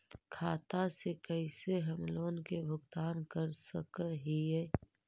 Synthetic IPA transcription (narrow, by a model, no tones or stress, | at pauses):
kʰaːt̪asekəiseɦəmloːnkebʱʊɡt̪aːnkəɾsə̰kəɦiɛː